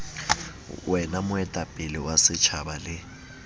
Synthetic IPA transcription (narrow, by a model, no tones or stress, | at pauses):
wɛnamʊɛtʼapʼɪlɪwasɪt͡ʃʰabalɪ